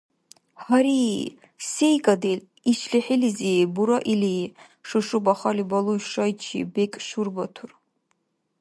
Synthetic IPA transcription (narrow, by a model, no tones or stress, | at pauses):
haɾi | sejkʼad̪el | iʃɬiħilizibuɾaʔili | ʂɨʂubaχalibalˠujʃajt͡ʃʰḭbekʼʃurbat̪ʰur